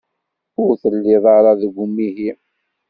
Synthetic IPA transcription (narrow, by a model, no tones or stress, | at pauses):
ʊɾθəlːɪðˤɑɾˤɑðəɡʷumːiɦi